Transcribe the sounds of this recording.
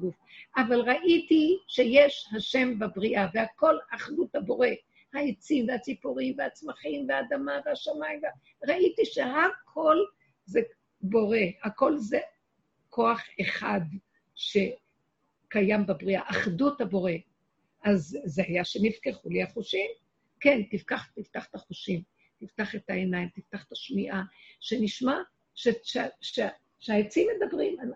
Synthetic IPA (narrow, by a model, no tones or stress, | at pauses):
ɡuf | avalʁaʔitiʃe̞jeʃhaʃe̞mbabʁiʔavehako̞laχduthabo̞ʁe̞ | haet͡simveat͡sipoʁimveat͡smaχimveaːdamaveaʃamaimv | ʁaʔitiʃe̞ɦakʰo̞l | ze | bo̞ʁe̞ako̞lze | kʰo̞aχeχad | ʃe̞ | kajambebʁiaʔaχdutabo̞ʁe̞ | ʔazːeajaʃenivkeχuliaχuʃim | kentivkaχt̪iftaχt̪aχuʃim | t̪iftaχetaenajimt̪iftaχt̪aʃmiʔaʃe̞niʃma | ʃeʃʃe | ʃeajet͡simedabʁima